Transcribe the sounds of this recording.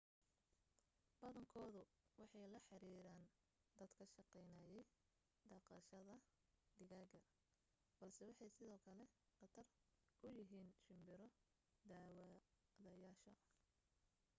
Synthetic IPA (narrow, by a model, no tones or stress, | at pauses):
b̥ɐðɐŋkʰɔːðʊ | wɑħɑjlɐħɑɾiːɾaːn | d̪ɐd̪kʰɐʃɑqɛjnaːjɛj | ɖ̪ɑqɑʃɐðɐ | ɖɪɣaːɡɐ | b̥ɐlsɛwɑħɑjsɪðɔːkʰɐlɛqɑt̪ʰɐr | ʊjɪɦiːnʃɪmbɪɾɔ | d̪aːwðɐjaːʃɐ